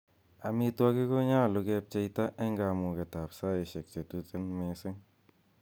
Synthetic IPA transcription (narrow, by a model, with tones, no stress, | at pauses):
a˨mi˧twa˦ki˦ko˦ɲa˦˨lu˧kɛ˧p̚t͡ʃe˧ita˦ʔe˦ŋɡa˨mu˨ke˨ta˨psa˦e˨ʃe˨k̚t͡ʃe˨tu˨te˦nme˨˦sɪ˦ŋ